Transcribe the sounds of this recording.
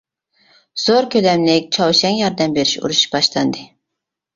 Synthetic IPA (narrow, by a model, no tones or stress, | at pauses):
z̥oɾkʲʰølɛmlɪk̚ʲt͡ʃʰɑwʃɛŋjɑɾd̪ɛmbeɾiʃṵɾuʃb̥ɑʃlˠɑnd̪ɨ